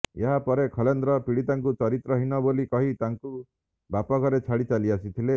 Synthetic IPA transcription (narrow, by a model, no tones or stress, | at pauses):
eɦapɔɾekʰɔlend̪ɾɔpiɽit̪aŋkut͡ʃɔɾit̪ɾɔɦinɔbolikɔɦit̪aŋku | bapɔkɔɾet͡ʃʰaɽit͡ʃaliasit̪ʰile